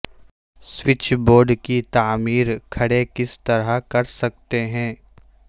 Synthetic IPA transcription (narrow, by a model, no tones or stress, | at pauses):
swɪt͡ʃʰboːɾɖkit̪aːmiːɾkʰɐɽekɪst̪ɐɾakɐɾsɐk̚t̪eɦɛ̃ː